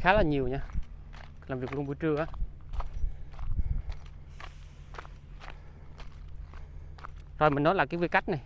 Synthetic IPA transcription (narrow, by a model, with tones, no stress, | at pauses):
xaː˨˦laː˨˩ɲi˨˩əwɲaː˧ | laː˨˩mvi˨˩k̚lu˧nɓu˧t͡ɕɨ˧əʔaː˨˦˥ | zo˨˩mï˨˩nɔ˨˦jlaː˨˩kaː˨˦vi˧˩jka˦˥jk̚na˨˩j